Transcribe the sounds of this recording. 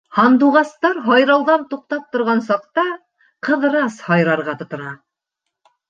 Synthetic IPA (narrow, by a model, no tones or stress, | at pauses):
hɑnd̪uʁɑst̪ɑɾɦɑjɾɑlˠðɑnt̪uq̚t̪ɑp̚t̪ŏɾʁɑnsɑq̚t̪ɑ | qɤ̆ðɾɑshɑjɾɑɾʁɑt̪ŏt̪ŏnɑ